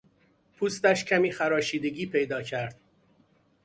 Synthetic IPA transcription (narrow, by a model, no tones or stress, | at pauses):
pʰuːst̪æʃcʰæmiːxæɾɒːʃiːd̪eɟiːpʰe̞jd̪ɒːcʰæɾd̪̥